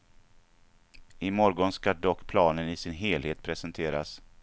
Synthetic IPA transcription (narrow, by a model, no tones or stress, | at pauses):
ɪmɔɾɡɔnskaɖɔkːpʰlɑːnənɪsɪnɦeːlheːt̪̚pʰɾɛsɛnt̪ʰeːɾa̰s